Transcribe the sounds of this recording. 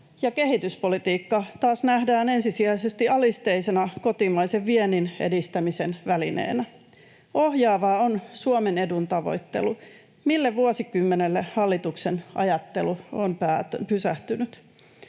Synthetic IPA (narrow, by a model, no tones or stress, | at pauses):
jɑke̞ɦit̪yspo̞lit̪iːkːɑt̪ɑːsnæhdæːne̞nsisiæjsest̪iɑlist̪e̞ise̞nɑko̞t̪imɑjseʋʋieninḛdist̪æmise̞nʋælinḛːnæ | ʔoɦjɑːʋɑːonsuomene̞dunt̪ɑʋo̞̰jt̪ːe̞̰lu | milːeʋuosikymːenelːehɑlːit̪uksenʔɑ̰jɑt̪ːe̞luompæːpysæht̪ynyt̪